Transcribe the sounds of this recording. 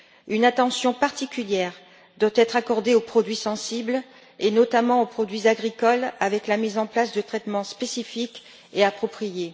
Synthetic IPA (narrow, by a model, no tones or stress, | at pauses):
ynat̪ɑ̃sjɔ̃paʁt̪ikʲyljɛʁ | d̪wat̪ɛt̪χakɔʁd̪eopχɔd̪ɥisɑ̃sibl | enɔt̪amɑ̃opχɔd̪ɥizaɡʁikɔlavɛklamizɑ̃plasd̪ət̪χɛt̪mɑ̃spesifik | eapχɔpχije